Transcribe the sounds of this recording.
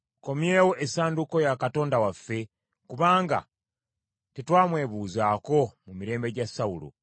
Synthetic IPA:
ko̞mje̞ːwo̞ʔesaːnduko̞jakato̞ːndawafːe̞ | kuβaːŋɡa̰ | tetwaːmwe̞ːβuːzaːko̞mumiɾe̞ːmbe̞ɟasːaulo̰

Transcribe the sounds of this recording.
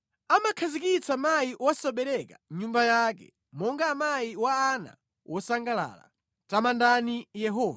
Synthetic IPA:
amakʰazikit͡samajiwasɔɓɛɾɛkaɲumbajaːkɛ̰ | mɔŋɡamajiwaːna̰ | wʔɔsaŋɡala̰ːla̰ | tamandanijɛɦɔːv

